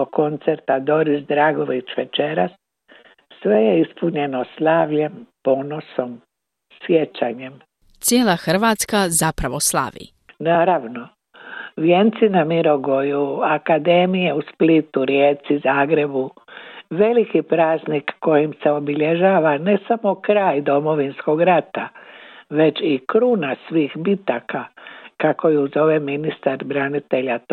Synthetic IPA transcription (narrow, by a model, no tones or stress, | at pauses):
oko̞nt̪seɾt̪ad̪o̞ɾisd̪ɾaːɡo̞ʋit͡ɕʋet͡ʃeɾasː | ʋe̞jeispuɲe̞noslˠaːʋʎe̞mpo̞noso̞m | sjet͡ɕaɲem | t̪sjeːlˠaxr̩ʋaːt̪skazapɾaʋo̞slˠa̰ʋḭ | naːɾaʋno | ʋjent̪sinamiɾo̞ɡo̞juakad̪e̞mije̞usplit̪uɾjeːt̪sizaːɡɾe̞bu | ʋe̞likipɾaːznikːo̞jimseo̞biʎeʒaːʋane̞samo̞kɾaːjd̪o̞mo̞ʋinsko̞ɡɾat̪aʋe̞t͡ʃikɾuːnasʋiːxbit̪akakakojiuzo̞ʋeminist̪aɾbɾanit̪e̞ʎa